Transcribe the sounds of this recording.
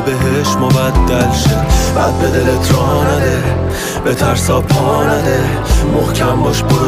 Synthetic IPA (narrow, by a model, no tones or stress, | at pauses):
beɦeʃmɒbæd̪̚ːælʃeb̥æd̪̚bed̪elet̪ʰɾɒːnæd̪e | bet̪ʰæɾsɒpʰɒnæd̪e | mohcʲʰæmbɒːʃboɾ